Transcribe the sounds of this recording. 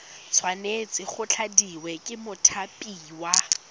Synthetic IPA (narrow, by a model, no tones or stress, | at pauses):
t͡sʰwanet͡sʼɪχʊt͡ɬʰadiwɛkʼɪmʊtʰapʼiːwa